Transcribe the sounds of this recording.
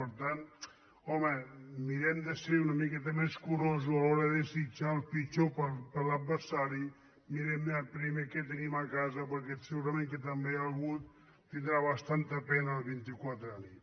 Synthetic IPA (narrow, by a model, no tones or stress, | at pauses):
əɾt̪an | ɔməmiɾɛmd̪əseunəmikɛt̪əmeskuɾozualɔɾəðesit͡ʃaəlˠfit͡ʃopəɾpəɾlad̪̚bəɾsaɾi | miɾɛməpɾimeket̪enimakazəpəɾkɛt̪seɣuɾəmẽŋk̬et̪əmbealɣut̪ː | ind̪ɾaβəst̪ant̪əpɛnəːlˠβint̪ikwat̪ɾani